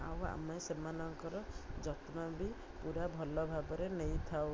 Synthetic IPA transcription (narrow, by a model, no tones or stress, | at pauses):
a̰wa̰mesemanɔŋkɔɾɔd͡ʒɔt̪mɔbi | puɾabʱɔlɔbʱabɔɾenejt̪ʰaw